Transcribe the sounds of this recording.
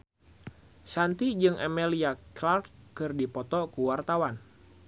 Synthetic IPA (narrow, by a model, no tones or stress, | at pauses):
sant̪id͡ʒɨŋɛmeliaklart̪̚kɨrdipɔt̪ɔkuwart̪awan